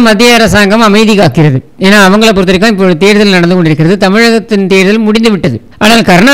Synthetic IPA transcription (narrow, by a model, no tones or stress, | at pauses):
mɐd̪ɪjɐɐɾɐsaːŋɡɐmɐmɐɪðɪkaːkːɪɾɐðɯeːnːaːɐʋɐŋɡɐɭɐpːɔɾɯt̪ːɪɾɪkːãːɪp̬ːoːɯt̪eːɾɯðɐlnɐɽɐnd̪ɯkɔɳɖɪɾɯkːɪɾɐðɯt̪ɐmɪɻɐɣɐt̪ːɪnt̪eːɾðɐlmʊɽɪnd̪ɯʋɪʈːɐðɯ | aːnaːlkɐɾɐɳaː